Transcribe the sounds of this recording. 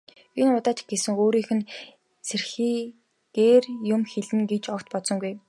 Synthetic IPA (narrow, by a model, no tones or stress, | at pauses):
inʊt̪aːt͡ɕɪ̥̆kɡesɘ̆ŋoːɾiːxɘ̆n | sʰerxiː | ɡ̥eːrjʊmxeɮɘ̆ŋɡet͡ɕɔkt̪pɔt̪sɞ̆ŋɡuj